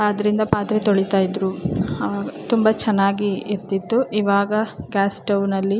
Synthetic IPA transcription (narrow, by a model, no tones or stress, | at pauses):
ɐd̪ɐɾind̪ɐpaːt̪ɾet̪oɭit̪aːjid̪ɾuɐʋaːɡɐt̪umbɐt͡ʃɛnːaːɡiːɾt̪it̪ːuʔiʋaːɡɐɡaːsʈɐwnɐlːi